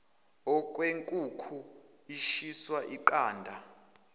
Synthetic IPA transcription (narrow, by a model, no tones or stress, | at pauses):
ɔkʼweŋkʼukʰu | iʃiswaʔiǃaːndʱa